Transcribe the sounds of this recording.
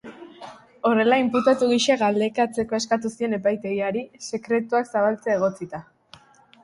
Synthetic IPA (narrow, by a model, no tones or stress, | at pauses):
o̞re̞laimput̪at̪uɣiʃeɣald̪e̞kat͡se̞ko̞e̞skat̪usie̞ne̞pajt̪e̞ɣiaɾise̞kɾe̞t̪uaksaβalt͡seaeɣ̞o̞t͡sit̪a